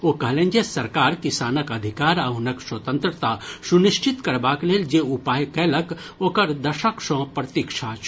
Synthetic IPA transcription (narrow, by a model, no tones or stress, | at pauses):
oːkɐlẽːnd͡ʒesɐɾkaːɾkisaːnəkɐd̪ʱɪkaːɾɐɦʊnɐkswɐt̪ə̃nt̪ɾət̪asunɪʃt͡ʃɪt̪kɐɾbaːkleːld͡ʒeːupaːjkɛːlɐk | oːkɐɾd̪ɐʃəkʃõːpɾɐt̪iːkʃʰat͡ʃ